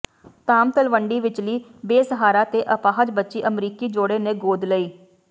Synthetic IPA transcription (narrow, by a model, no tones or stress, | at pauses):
t̪aːmt̪əlʋəɳɖiːʋɪt͡ʃliːbeːsəɦaːɾaːt̪eːʔəpaːɦəd͡ʒbətːʃiːʔəmɾiːkiːd͡ʒoːɽeːnẽːɡoːd̪ləiː